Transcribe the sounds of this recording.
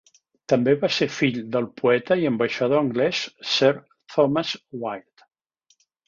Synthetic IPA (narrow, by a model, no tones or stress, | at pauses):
t̪ambeβaseɾfiʎd̪əlˠpʰuɛt̪aiembaʃað̞oaŋɡlɛsːɛɾ | t̪ʰɔmazwajt̪